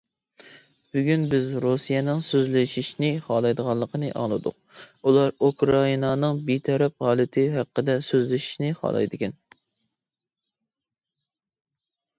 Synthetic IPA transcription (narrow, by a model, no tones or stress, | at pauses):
b̥yɡʲynbɪzɾusijɛnɨŋsøzlɪʃiʃnɪχɑːlˠɑjd̪əʁɑlˠːəqʰənɨʔɑ̰ŋlˠɨd̪ʊ̰q̚ | ulˠɑɾukɾɑinɑnɨŋbit̪ʰɛɾɛp̚ʁɑːlˠɨt̪ʰɪɦæqːəd̪ɛsøzlɪʃi̥ʃnɪχɑ̰lˠɑ̰jd̪ɪkʲɛn